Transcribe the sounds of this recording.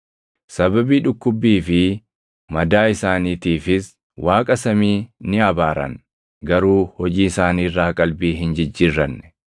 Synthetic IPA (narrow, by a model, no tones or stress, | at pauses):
sɐbɐbiːᶑʊkːʊbːiːfɪ | mɐd̪aːɪsaːniːt̪iːfɪs | wʔaːkʼɐsɐmiːnɪɐbaːɾɐ̰ŋ | ɡɐɾuːhɔd͡ʒiːɪsaːniːrːaːkʼɐlbiːɦɪnd͡ʒɪd͡ʒːɪrːɐnːɛ̥